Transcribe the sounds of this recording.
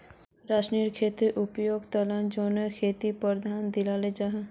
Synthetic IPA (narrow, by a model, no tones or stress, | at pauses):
ɾaːʃniɾkʰeːt̪ɾeʔʊpjoːɡt̪ɐlãd͡ʒonəkʰeːt̪ipəɾd̪ʱaːnd̪ɪlaled͡ʒaɦ